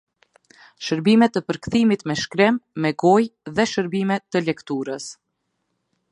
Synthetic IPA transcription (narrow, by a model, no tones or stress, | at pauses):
ʃəɾbimɛt̪əpəɾkθimit̪mɛʃkɾɪmːɛɡɔjðɛʃəɾbimɛt̪ːəlɛkt̪uɾəs